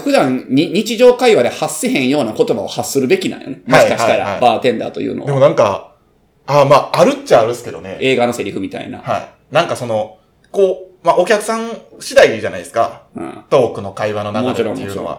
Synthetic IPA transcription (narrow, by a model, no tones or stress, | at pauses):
ɸɯd̪ãnɲiɲ̟it͡ɕiʑo̞ːkaiβad̪e̞hasːeɦẽ̞ɰ̃jo̞ːnako̞t̪o̞baohasːɨɾɯ̟be̞kʲinã̰ɰ̃jone̞moɕikaɕi̥t̪aɾa̰abaːt̪ẽ̞nd̪a̰t̪o̞̰jɯ̰ːno̰d̪eonãŋka̰ | aːmaːaɾɯ̟tt͡ɕaːɾɯ̟sɨ̥ke̞d̪o̞ne̞e̞ːɡano̞se̞ɾʲiɸɯ̟mʲit̪a̰ḭna̰haḭ | nãŋkaso̞no̞ | koːmaʔokʲakɯ̟̥sãŋ̃ɕid̪aid͡ʑanaiesɨ̥kaɯ̰̃ːt̪o̞ːkɯ̟no̞kaiβanonakmaot͡ɕiɾõ̞mːo̰ɯt͡ɕːiɾo̰a̰